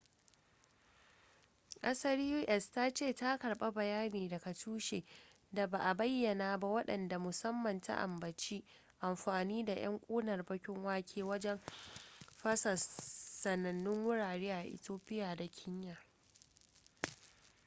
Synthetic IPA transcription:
kʼɐ˦sɐ˦ɾju˦ʔɛ˨staː˦t͡ʃeː˦˨ta˦kɐ˨ɽɓa˦bɐ˨jaː˦neː˨dɐ˨ka˨tʰuː˦ʃeː˨ | da˨ba˨ʔa˨bɐ˦jːɐ˨naː˨ba˦wɐ˦ɗɐ̰˨nda˨mʊ˨sɐ˦mːɐ˨nta̰˦ʔa̰˨mbɐ˨t͡ʃiː˦ | ʔa˨mɸaː˨niː˦da˨j̰ɐ̰˦ŋkʷʼoː˦nɐ˨rbɐ˦kʲɪ˦ŋwaː˦kʲʰeː˦wɐ˦d͡ʒɛ˦m | ɸɐ˦sɐ˨sɐ˨nɐ˨nːʊ˦ŋwʊ˦ɽaː˨ɾeː˦ʔa˨ʔɪ̰˨toː˦pɪ˦jaː˨da˨kʲʰɪ˦ɲjaː˨

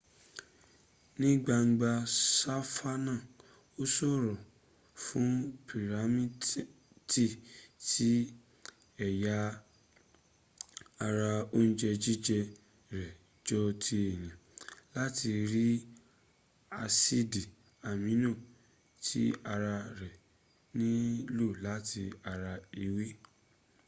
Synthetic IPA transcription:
nĩ˦ɡ͡ba˧ŋ̩˦ɡ͡ba˧sa˦fa˦nã˦˨ | o˦sɔ˦˨ɾɔ˨ | fũ˦pʰi˨ɾa˨˦mĩ˦ | ti˦˨tʰi˨˦ | ɛ˨ja˦ | a˧ɾa˧o˦ñ̩˦d͡ʒɛ˧d͡ʒi˦d͡ʒɛ˧ | ɾɛ˨ | d͡ʒɔ˦tʰi˦ɛ˦˨j̃ã˨la˦ti˧ɾi˦ | a˧si˦di˨ | a˨mĩ˨˦nũ˦˨ | tʰi˦a˧ɾa˧ɾɛ˨ | nĩ˦lu˦˨la˨˦ti˧a˧ɾa˧i˧wi˦

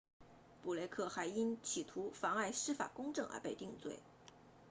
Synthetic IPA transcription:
pu˨˩le˥˧ɪkʰɤ˥˩xa˧˥ɪi˥nt͡ɕʰi˨˩t̪ʰu˧˥fɑ˧˥ŋa˥˩ɪʂɻ̩˥fa̰˨˩kʊ˥ŋʈ͡ʂɤ˥˩ŋʔə̰˧˥pe˥˧ɪt̪i˥˧ŋt͡swḛ˥˩ɪ

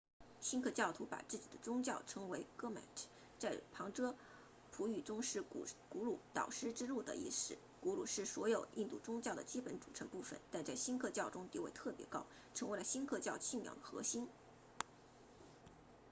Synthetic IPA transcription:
ɕi˥nkʰɤ˥˧t͡ɕjɑ˥˩ʊt̪ʰu˧˥pa̰˨˩t͡sɹ̩˥˩t͡ɕi˨˩d̪ə˦t͡sʊ˥ŋt͡ɕjɑ˥˩ʊʈ͡ʂʰɤ˧˥ŋwe˧˥ɪkɤ˥ma̰˨˩ɪʈ͡ʂ̩˥ | t͡sa˥˩ɪpʰɑ˧˥ŋʈ͡ʂɤ˥ | pʰu˧˥y˨˩ʈ͡ʂʊ˥ŋʂɻ̩˥˩ku˧˥lu˨˩t̪ɑ̰˨˩ʊʂɻ̩˥ʈ͡ʂɻ̩˥lu˥˩d̪ə̰˩ḭ˥˩sɻ̩˥˩ | ku˧˥lu˨˩ʂɻ̩˥˩swɔ˧˥jo˨˩ʊʔḭ˥˧nt̪u˥˩ʈ͡ʂʊ˥ŋt͡ɕjɑ˥˩ʊd̪ə˩t͡ɕi˥pə˧˥nʈ͡ʂu˨˩ʈ͡ʂʰɤ˧˥npu˥˩fə̰˩˦nt̪a˥˧nt͡sa˥˩ɪɕi˥nkʰɤ˥˧t͡ɕjɑ˥˩ʊʈ͡ʂʊ˥ŋt̪i˧˥wḛ˧˥˩ɪt̪ʰɤ˥˩pjɛ̰˧˥kɑ˥ʊ | ʈ͡ʂʰɤ˧˥ŋwe˧˥lə˧ɕi˥nkʰɤ˥˧t͡ɕjɑ˥˧ʊt͡ɕʰi˥˩mjɑ̰˨˩ʊd̪ə˨xɤ̰˧˥ɕi˥n

